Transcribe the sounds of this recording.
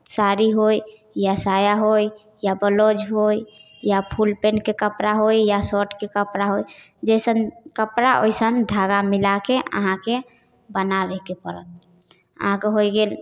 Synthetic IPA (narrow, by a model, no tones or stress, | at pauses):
saɾiɦoj | jasajaɦoj | jabəlod͡ʒɦoj | japʰulpenkekəpɾaɦojjasɔʈkekəpɾaɦoj | d͡ʒɛjsənkəpɾaʔo̰jsənd̪ʱaɡamilakeə̰ɦãke | bənabekepəɾə̰t̪̚ | ə̰ɦãkeɦojɡel